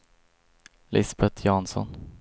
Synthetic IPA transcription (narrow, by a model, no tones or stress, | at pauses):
lɪsbɛt̪ʰjɑːnsɔ̰n